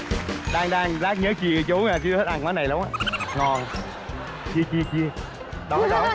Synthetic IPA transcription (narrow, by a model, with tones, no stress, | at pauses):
ɗaː˧ŋɗaː˧ŋzaː˦˥k̚ɲəː˨˦t͡ɕi˧˨˦t͡ɕo˨˦ŋaː˧˩t͡ɕi˨˦hə˦˥t̚ʔaː˧˩ŋkwaː˨˦na˨˩jla˨˦ŋ͡mʔaː˧˦ŋɔ˨˩n | t͡ɕi˧t͡ɕi˧t͡ɕi˧ə | ɗɔ˨˦ɗɔ˨˦